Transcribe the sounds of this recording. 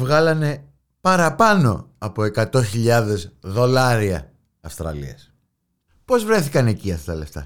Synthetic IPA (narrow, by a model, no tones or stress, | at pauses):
vɣɐlɐne̞ | pɐɾɐpɐno̞̰ɐpo̞e̞kɐt̪o̞çiʎɐðe̞zðo̞lɐɾiɐ̰ː | fst̪ɾɐ̰lḭɐs | po̞zvɾe̞θikɐne̞ciɐst̪ɐle̞ft̪ɐ̰